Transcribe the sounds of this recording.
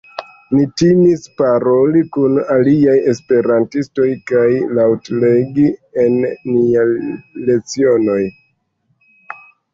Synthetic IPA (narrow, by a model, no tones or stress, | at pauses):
nitimispaɾo̞likunaliaje̞spe̞ɾantisto̞jkajlawtleɡienːiale̞t͡sio̞no̞j